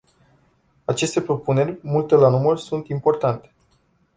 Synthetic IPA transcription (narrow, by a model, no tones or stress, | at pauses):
at͡ʃe̞st̪e̞pɾo̞pune̞rʲmult̪e̞lanumərsunt̪impo̞rt̪ant̪e̞̥